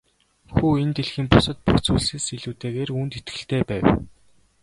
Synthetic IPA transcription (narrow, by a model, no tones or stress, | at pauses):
xuːent̪eɮxiːmpʊsə̆t̪̚pukt͡suːɮseːsiɮuːt̪eːɣeːruːnt̪et̪ɡɘ̆ɬt̪eːpæːw